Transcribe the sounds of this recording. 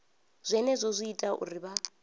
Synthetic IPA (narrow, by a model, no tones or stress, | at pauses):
zʷɛnɛzʷɔzʷiitʼaʔṵriβa